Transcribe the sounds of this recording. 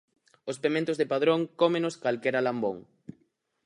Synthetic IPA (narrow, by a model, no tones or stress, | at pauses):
ʊspemẽnt̪ʊzðepaðɾoŋkomẽnoskalkɛɾalambo̰ŋ